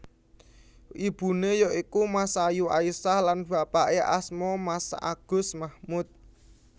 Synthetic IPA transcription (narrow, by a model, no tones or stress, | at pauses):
ʔib̥ṳnejɔʔikumasajua̰isahlanb̥ä̤paʔeʔasmɔmasʔa̰ɡ̥ʊ̤smahmʊt̪̚